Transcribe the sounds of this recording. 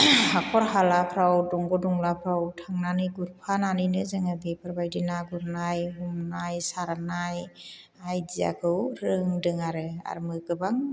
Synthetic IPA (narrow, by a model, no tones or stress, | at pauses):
hakʰɔɾɦalapʰɾawdɔŋɡɔdɔŋlapʰɾawtʰaŋnaniɡuɾpʰananinɯzɯŋɯɡipʰɯɾbajdinaɡuɾnajɦumnajsaɾanaj | ajdija̰kʰɯwɾɯŋdɯŋaɾɯa̰ɾmɯɡɯbaŋ